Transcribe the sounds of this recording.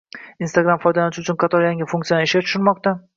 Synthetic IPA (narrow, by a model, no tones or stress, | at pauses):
inst̪aɡɾamfɒjd̪alanɪʃɪʊt͡ʃʰʊnqʰɑt̪ʰɒɾjaŋɪfʊŋkt̪sjanɪʃʲat̪ʰʊʃʊɾmɒq̚t̪a